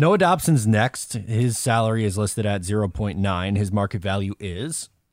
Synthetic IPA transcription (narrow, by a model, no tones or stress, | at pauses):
noʊədɑpʃɨ̃nznɛkst̚hɪz̥sælˠə˞iɨzlɪstɨɾɨtzɪɹoʊpʰɔ̃ɪ̃nːãɪ̃nɨzmɑɹkɨtvælˠjʉʔɪz̥